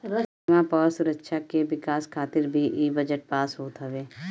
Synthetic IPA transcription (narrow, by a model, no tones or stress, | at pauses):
mãpɐɾsʊɾəkʃakeʋɪkaːskʰaːt̪ɪɾbʱiʔiːbɐd͡ʒəʈ̚paːsɦoːt̪ɦaʋeː